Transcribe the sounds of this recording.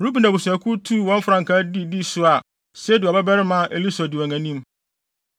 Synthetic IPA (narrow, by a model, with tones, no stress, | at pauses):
m˨ɾu˦pi˨na˨bu˨sæ˨kʰu˦tʰu˦˨wɔ̃˦m˦fɾã˨ŋkʰa˦di˦di˦sʊ˦a˨ | sɛ˦di˨a˨bɛ˦bɛ˦ɾɪ˦mã˦ʔe˨li˦sa˨dɪ˨ã˨ŋæ̃˨nĩ˦m